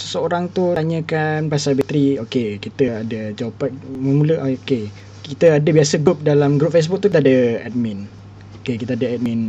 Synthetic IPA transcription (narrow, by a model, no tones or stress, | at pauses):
səsəoɾaŋt̪ut̪aɲə̃kanpasabit̪ɾiokekit̪əadəd͡ʒawapat̪̚məmuləʔooke | kit̪əadəbiasəɡɾup̚dalamɡɾup̚fes̬buk̚t̪ukit̪adəɛ̰t̪̚mĩn | okekit̪əadəɛt̪̚min